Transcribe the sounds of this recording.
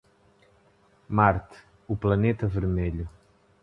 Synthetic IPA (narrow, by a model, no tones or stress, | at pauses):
maɾt̪ | uplˠɐnet̪ɐvɨɾmeʎu